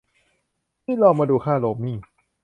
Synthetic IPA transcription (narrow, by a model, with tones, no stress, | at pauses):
miː˥˩˨lɔː˧˩ŋmaː˧duː˧kʰaː˥˩loː˧miː˥˩